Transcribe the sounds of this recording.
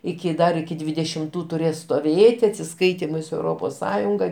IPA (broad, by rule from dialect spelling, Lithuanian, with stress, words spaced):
ˈɪkʲɪ ˈdɐr ɪkʲɪ dʲʋʲɪdʲɛʃʲɪmˈtuː tʊˈrʲeːs stoːˈʋʲeːtʲɪ ɐtʲsʲɪˈskɐɪtʲiːmɐɪ sʊ ɛʊˈroːpoːs ˈsɑːjʊŋɡɐ